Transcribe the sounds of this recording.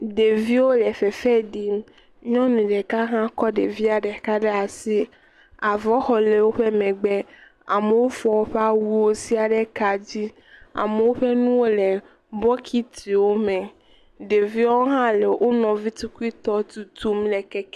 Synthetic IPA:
ɖe˨vi˦wo˦le˨fe˨fɛ˦ɖi˦m | ɲɔ̃˦nũ˨ɖe˨ka˦ɦã˦kɔ˦ɖe˨vi˦a˨ɖe˨ka˦ɖe˦a˨si˦ | a˨vɔ˦xɔ˨le˨wo˦ɸe˦mẽ˨ɡ͡be˦ | a̰˨me˨wo˦fɔ˨wo˦ɸe˦a˦wu˦wo˦si˦a˨ɖe˦ka˨d͡ʑi˦ | a̰˨me˨wo˦ɸe˦nũ˦wo˦le˨ | bɔ˦kʰi˦t̪i˨wo˦mẽ˨ | ɖe˨vi˦o˦ɦã˦le˨wʔo˦nɔ̃˨vi˦t̪u˦ku˦i˦t̪ɔ˦t̪u˨t̪u˦mle˨kɛ˦k

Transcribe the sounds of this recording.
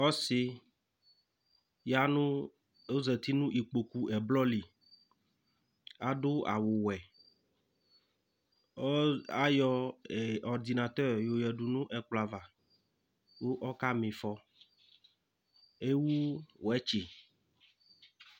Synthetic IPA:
ɔ˦se˦ | ja˦nũ˦ | o˦zɛ˨t̪i˦nũ˦ʔi˨k͡po˨ku˨ʔɛ˨blɔ˦li˨ | a˨ɖo˦a̰˨wo˨wɛ˨˦ | a˦jɔ˦ɛ˨ɔ˨ɾd̪i˨na˨t̪ɔ˦˨ɾjo˨jɛ˨ɖu˨nũ˦ʔɛ˨k͡pla˨va˨ | wo˦ʔɔ˦ka˦mẽ˨fɔ˦ | e˦wu˦wɛ˦t͡ʃe˨

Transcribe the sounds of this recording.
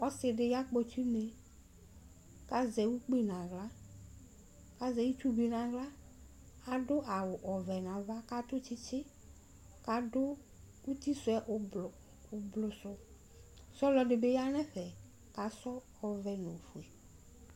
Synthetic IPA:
ɔ˦sɪ˨dɪ˨ja˦k͡pɔ˨ti˦ne˨ | ka˦zɛ˨wu˦k͡pi˦nã˨ɣla˦ | ka˦zɛ˨ji˦tu˦bi˨nã˨ɣla˦ | a˨dʊ˦ʔa˨wʊ˨ʔɔ˨vɛ˨nã˨va˦ka˦tʊ˦t͡ʃɪ˦t͡ʃɪ˦ | ka˨dʊ˦ | u˦ti˦sʊ˨ɛ˦ʔ | ʊ˨blʊ˨sʊ˨ | sɔ˦lɔ˨dɪ˨be˦ja˦nɛ̃˦ɸɛ˨ | ka˨sɔ˦ | ɔ˨vɛ˨nʊ̃˨fu˨e˨

